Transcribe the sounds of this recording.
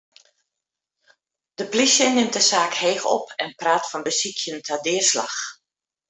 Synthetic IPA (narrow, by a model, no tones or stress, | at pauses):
d̥əplisjənɪmt̚dəsaːkheːxɔ̰pʰɛnpraːtfɔnbəsikʰjəntʰadɪːrsla̰x